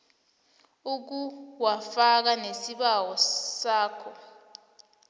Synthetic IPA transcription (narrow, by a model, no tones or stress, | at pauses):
uk̬uwafak̬anesiɓawɔsaːkʰɔ